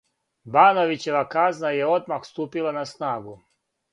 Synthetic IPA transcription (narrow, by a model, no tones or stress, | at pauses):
baːnoʋit͡ɕe̞ʋakaznaje̞o̞d̪maxst̪uːpilˠanasnaːɡu